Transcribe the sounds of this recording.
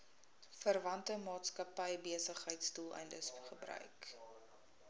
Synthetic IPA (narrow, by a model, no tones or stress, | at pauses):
fərvɐntəmɑːtskɐpəjbiəsəχɦəjtstulˠə̰jndəsχəbrœ̰ɥk